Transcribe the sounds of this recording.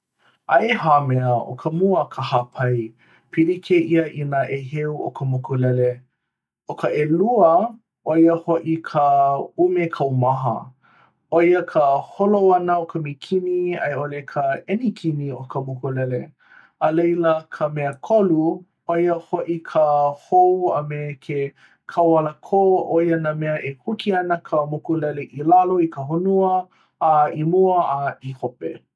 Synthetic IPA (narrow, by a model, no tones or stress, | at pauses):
ʔɐeɦaːmɛəo̰kʰəmuəkʰəhapʰɐj | pʰilikʰeʔiəʔinəʔeɦeuʔo̰kəmokolɛle | okʰəʔeluə | ʔojəhoʔikʰəumekʰɐwmɐɦə̰ | ojəkʰəholowɐnəokəmikʰiniɐ̰jolekʰəɛnikʰiniokəmukulɛle | əlejləkʰəmɛəkʰolu | ojəhoʔikʰəhowɐmekʰe | kʰawaləkʰoʔojənamɛəʔehukiɐnəkʰəmukulɛleʔilaloikəɦunuəː | imuəaihopḛ